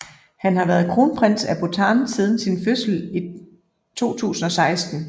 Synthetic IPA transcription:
hænhɑ̈ʋæːɐð̩ˠkʰʁo̝ːnpʰʁen̰sæb̥ot͡sʰɑːnsiːð̞ˠn̩sinføsl̩i | t͡sʰo̝̰ːt͡sʰṵːsn̩ɒ̽sɑ̈ɪsd̥n̩

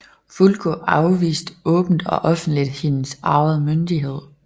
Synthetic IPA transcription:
fulɡ̥ʰoʔɑ̈ʊʋḭːsd̥ɔ̽ːb̥n̩d̥ɒ̽ʔɒ̽fn̩d̥lid̥hinsɑ̈ɪð̩ˠmønd̥iɦe̝ð̞̰ˠ

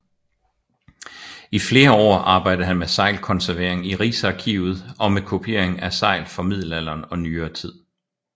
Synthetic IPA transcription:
ifle̝ːɐɒ̰ːɑ̈ːb̥ɑ̈ɪ̰d̥̩ɦænmesɑ̈ɪlkʰɒ̽nsæɐʋe̝ɐ̰e̝ŋiʁḭːsɑ̈kʰḭːʊð̞̩ˠɒ̽mekʰo̝pʰe̝̰ɐ̰eŋæsɑ̈ɪ̰lfɒ̽mið̞̰ˠl̩æl̰ɐːnɒ̽nyːɐːt͡sʰið̰ˠ

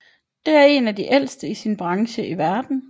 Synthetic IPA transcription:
d̥e̝æɐe̝næd̥iʔel̰sd̥əisinb̥ʁɑ̈ŋɕəiʋæɐd̥n̩

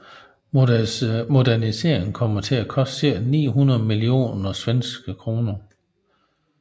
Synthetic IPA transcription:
mo̝dæɐnise̝̰ɐ̰eŋn̩kʰɒ̽m̰ɐt͡sʰe̝ækʰɒ̽sd̥siɐ̰̥nḭːɦunɐðˠmilio̝̰ːnɒsʋensɡ̥əkʰʁo̝ːnɐ

